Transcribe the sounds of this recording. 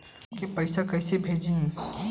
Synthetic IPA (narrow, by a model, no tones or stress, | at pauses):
kepɐɪsakɐːsebʱeːd͡ʒĩ